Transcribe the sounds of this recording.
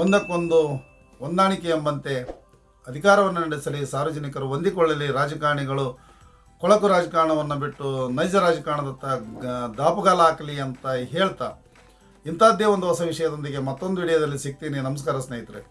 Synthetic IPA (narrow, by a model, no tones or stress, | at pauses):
ond̪ɐkːond̪u | ond̪aːɳikeembɐnt̪e̞ | ɐd̪ʱikaːɾɐʋɐnːɐnɐɽisɐlisaːɾʋɐd͡ʒɐnikɐɾuond̪ikɔɭːɐliɾaːd͡ʒɐkaːɾɐɳiɡɐɭu | kɔɭɐkuɾaːd͡ʒɐkaːɾɐɳɐʋɐnːɐbiʈːunɐjd͡ʒɐɾaːd͡ʒɐkaːɾɳɐd̪ɐnt̪ɐd̪aːpɐɡaːlɐaːkɐliɐnt̪ɐɦeːɭt̪a̰ː | int̪aːd̪eʋond̪uɦɔsɐʋiʂɐjɐd̪ond̪iɡe̞mɐt̪ːo̞nd̪uiɽɐjɐd̪ɐlːisiɡ̚t̪iːninɐmɐs̬kaːɾɐsneːjit̪ɐɾe